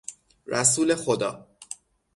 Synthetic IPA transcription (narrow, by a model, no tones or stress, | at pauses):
ɾæsuːle̞xod̪ɒ̰ː